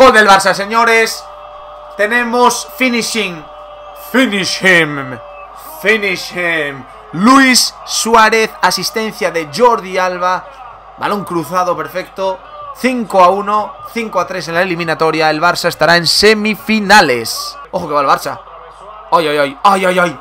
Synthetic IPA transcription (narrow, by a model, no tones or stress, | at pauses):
ojðelβaɾsase̞ɲo̞ɾes | t̪e̞nẽ̞mosfiniʃiŋ | finiʃem | finiʃem | luisːwaɾe̞θasist̪ẽ̞n̟θjaðe̞ʝo̞ɾðialβa | βa̰lõ̞ŋkɾuθað̞ope̞ɾfek̚t̪o | θiŋkoaunoθiŋkoat̪ɾe̞s̬e̞nlaelimĩnat̪o̞ɾjaelβaɾsaest̪aɾaẽ̞nsemifinales | oxokealβaɾsa | ojojojojojoj